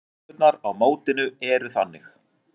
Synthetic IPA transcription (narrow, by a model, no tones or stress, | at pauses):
t̪naɾawmoːwt̪ɪnʏɛɾʏθanːɪx